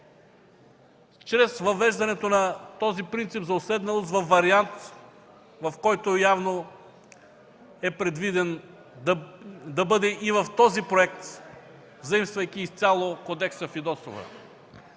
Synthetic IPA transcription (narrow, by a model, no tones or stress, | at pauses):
t͡ʃɾɛsvɐvɛʒd̪ɐnɛt̪onɐt̪ɔzipɾint̪sipzɐʊsɛd̪nɐlˠost̪vɐfvːɐɾiant̪ | vɐfkɔjt̪ojavno | ɛpɾɛd̪vid̪ɛn | d̪ɐbɤd̪ɛʔivɐft̪ɔzipɾoɛk̚t̪ | vzɐimst̪vɐjk̟ʲiːst̪sʲjalˠokod̪ɛksɐfid̪ɔso̰və̰